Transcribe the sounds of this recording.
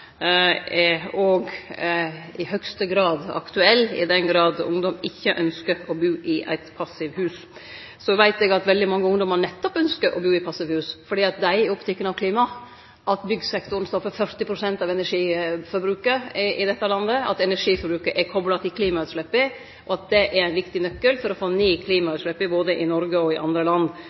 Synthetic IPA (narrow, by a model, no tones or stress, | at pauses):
ɔɡ | ɪhœkst̪əɡɾɑːd̪ɑ̰kt̪ʉɛlːɪ̰d̪ɛnɡɾɑːd̪ʊ̰ŋd̪ɔmɪçːəʔœnskəɾɔbʉːʔɪʔæ̰ɪt̪pʰɑsɪʋhʉːs | sɔʋæɪt̪ɛːɡɑt̪ʋɛld̪ɪmɑŋːəʊŋd̪ɔmənɛt̪ːɔpœnskəɾʔɔ̰bʉːɪpʰɑsɪʋhʉːsfɔɖiːɑt̪̚d̪æɪɔpt̪ʰɛkːənɑʋkʰliːmɑ | ʔɑt̪bʏɡsɛkt̪ʊɾənst̪ɔfːəfœɾt̪ɪpʰɾʊsɛnt̪ɑʋɛnæʂiːfɔɾbɾʉːkəʔɪd̪ɛt̪ːəlɑnd̪əɑ̰t̪ɛnæʂiːfɔɾbɾʉːkəɾʔɛɾkʰɔblɑt̪ʰɪlkʰliːmɑʉːt̪ʂlɛpːɪ | ʔɔɑt̪̚d̪ɛʔɛɾæɪnʋɪkt̪ɪnœkːəlfɔɾɔfoːniːkʰliːmɑʉːt̪ʂɭɛpːɪboːd̪əʔɪnɔɾɡəɔɪʔɑnd̪ɾəlɑnd̪